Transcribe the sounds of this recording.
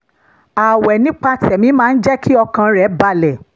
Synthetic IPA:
a˨wɛ˨nĩ˦k͡pa˧tɛ˨mĩ˨˦mãː˦˧n̩˦d͡ʒɛ˦kʰi˦ɔ˧kã˧ɾɛ˨˦ba˧lɛ˨

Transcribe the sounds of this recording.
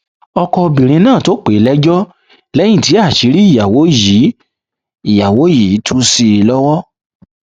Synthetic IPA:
ɔ˧kɔ˧bĩ˨ɾ̃ĩ˧nãː˦˨to˨˦k͡pe˨˦lɛ˦d͡ʒɔ˦ | lɛ˦j̃ĩ˦˨ti˨˦a˦˨ʃi˨˦ɾi˦i˦˨ja˨wo˨˦ji˨˦ | i˨ja˨wo˨˦ji˨˦tʰu˦si˧lɔ˦wɔ˦

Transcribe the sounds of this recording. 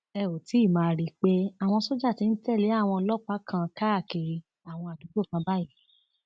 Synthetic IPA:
ɛ˦˨o˨ti˨˦˨mãː˨˧˨ɾi˦k͡pe˦a˦˨w̃ɔ̃˧so˦d͡ʒa˦˨ti˧n̩˦tɛ˦˨le˨˦a˦˨w̃ɔ̃˧ɔ˧lɔ˦˨k͡pa˦kʰã˧ka˦˨ke˨˧ | a˦˨w̃ɔ̃˧a˨du˨˦do˦˨kã˧ba˦i˦

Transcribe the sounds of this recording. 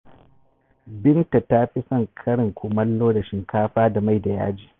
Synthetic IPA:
bɪ˦nta˨ta˦ɸɪ˦sɐ˦ŋkʰɐ˦ɽɪ˨ŋkʷʊ˨mɐ˦lːoː˦da˨ʃɪ˨ŋkʰaː˦ɸaː˦da˨ma˦˨jda˨ja̰ː˦d͡ʒiː˨

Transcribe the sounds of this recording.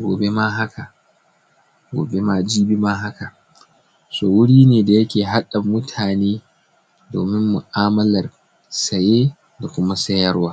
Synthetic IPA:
ɡʷo̰ː˨be˦ma˦ɦa˦kʰa˨ | ɡʷoː˨be˦maː˦d͡ʒiː˦bi˦ma˦ɦa˦ka˨ | soː˨wʊ˦ɽiː˦neː˨da˨jɐ˦kʲeː˨ɦa˦ɗa˨mʊ˦tʰaː˨neː˦ | doː˨mɪ˦mːu˨ʔaː˦mɐ˦lɐ˨r | sɐ˨jeː˦ | da˨kʷʊ˦ma˦sɐ˦jɐ˦rwaː˦

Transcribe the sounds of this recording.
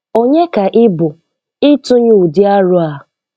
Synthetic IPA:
o˦ɲe˦ka˨ʔɪ˦bʊ˨ | ɪ˦tʊ˦ɲu˦˨u˨dɪ˦a˦ɾʊ˦a˨

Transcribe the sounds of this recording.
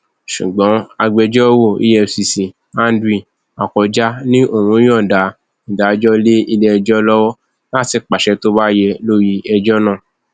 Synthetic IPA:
ʃṵ˨ɡ͡bɔ̃˨˦a˧ɡ͡bɛ˧d͡ʒɔ˦wo˦˨ḭ˦jɛ˧˨si˨si˨ | ã˦n˦dɾi˦˨ | a˨kɔ˨d͡ʒa˦nĩ˦ʔo˦˨ɾ̃ũ˧˦j̃ɔ̃˦˨da˨˦ | ĩ˨da˨˧d͡ʒɔ˦le˦i˧lɛ˦ɛ˧d͡ʒɔ˦lɔ˦wɔ˦ | la˦˨ti˨k͡pa˨ʃɛ˧to˦ba˦jɛ˧lo˦ji˦ɛ˧d͡ʒɔ˦nãː˦˨

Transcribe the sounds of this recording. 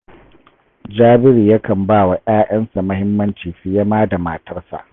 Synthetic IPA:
d͡ʒaː˦bɪ˦ɾi˨ja˦kɐ˨mbaː˦˨wa˨ʔaː˦ʔɐ˦nsa˨mɐ˦hɪ˦mːɐ˦nt͡ʃiː˨ɸi˦jɐ˦maː˦da˨maː˨tɐ˦rsa̰˨ʔ

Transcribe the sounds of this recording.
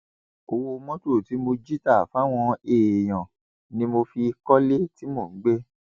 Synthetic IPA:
o˧wo˧mɔ̃˦to˦˨ti˨˦mo˧d͡ʒi˦ta˦˨fa˨˦w̃ɔ̃˧eː˨j̃ɔ̃˨ | nĩ˦mo˧fi˧kɔ˦le˦ti˦mo˦˨ŋ̩˦ɡ͡be˦

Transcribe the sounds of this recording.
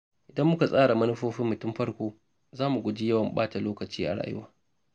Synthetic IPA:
ʔɪ˨dɐ˦mːʊ˦ka˨sʼaː˦ɽa˨mɐ˦nʊ˦ɸoː˦ɸɪ˦mːʊ˨tʊ˦mɸɐ˦ɽkʷoː˦ | zaː˦mu˨ɡʷʊ˨d͡ʒi˦jɐ˦wɐ˨mɓaː˦ta˨loː˦kɐ˨t͡ʃiː˦ʔa̰˨ɽa̰ː˦˨jʊ̰˦waː˦

